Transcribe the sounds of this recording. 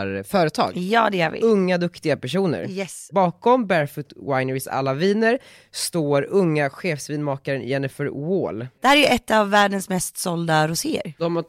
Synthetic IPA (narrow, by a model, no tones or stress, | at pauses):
ɾfœːɾət̪ʰɑ̰ːɡjɑːd̪ɛjavɪ̰ɵŋːad̪ɵkt̪ɪɡapʰæʂuːnə̰ɾjɛsbɑːkɔmbæɾfʊt̪wajnəɾɪsa̰lːaviːnəɾ | st̪oːɾɵŋːaɧeːfsviːnmɑːkaɾənjɛnɪfœɾwoːld̪̥ɛhæːɾæjəɛt̪ːavːæːɖənsmɛst̪sɔld̪aɾʊseːə̰ɾd̪ɔma